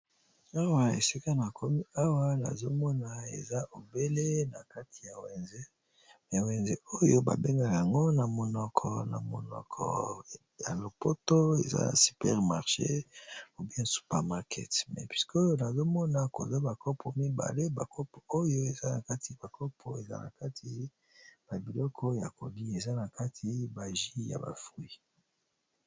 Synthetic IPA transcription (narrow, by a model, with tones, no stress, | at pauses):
a˦wa˨ḛ˨si˦ka˦na˨kʰo˦mi˦a˦wa˦na̰˨zo˦mɔ˦na˨ḛ˨za˦ʔo˨be˦le˦na˨ka˦tʰi˨ja˨wɛ˨nze˦ | a˨wɛ˨nze˦o˦jo˦ba̰˨be˦ŋɡa˦ja˨ŋɡo˦na˨mo˨nɔ˨kʰɔ˨na̰˨mo˨nɔ̰˨kʰɔ̰˨ | ja̰˨lo˨po˦to˦ḛ˨za̰˦na̰˨sy̥˨pɛ̰˦ʁma˨ʁʃe˦o˨bi˦ɛ̃˦su̥˨pɛ˨ʁma˨ʁkʰɛ̰˦˨tmɛ̰˨pwi˦sko˦jo˦na˨zo˦mɔ˦na˨ko˨za˦ba˨ko˦pʰɔ˨mi˦ba̰˨le˦ba˨ko˦pɔ˨o˦jo˦e˨za˦na˨ka˦ti˨b̥a˨ko˦pʰɔ˨e˨za̰˦na̰˨ka˦tʰi˦ | b̥a˨bi˨lɔ˦kʰɔ˦ja˨ko˨li˦e˨za˦na˨ka˦tʰi˨˦ba˨ʒi˦ja̰˨ba̰˨fʁi˦